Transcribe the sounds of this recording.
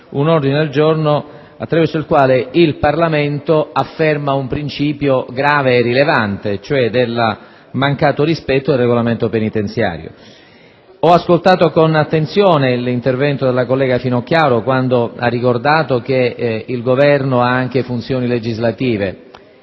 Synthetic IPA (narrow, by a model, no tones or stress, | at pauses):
unord̪ined̪eld͡ʒorno | at̪ːɾavɛrsoilkwaːleilparlament̪oafːɛrmaumpɾint͡ʃiːpjoɡɾaːveːrːilevant̪et͡ʃoɛd̪elː | maŋkaːt̪oɾispɛt̪ːod̪elreɡolament̪openit̪ent̪sja̰ːɾjo̰ | ɔaskolt̪aːt̪okonat̪ːent̪sjoːnelint̪ervɛnt̪od̪elːakolːɛːɡafinok̟ːjaːɾokwand̪oarːikord̪aːt̪ok̟eilɡovɛrnoaaŋk̟efunt̪sjoːniled͡ʒizlat̪iːvḛ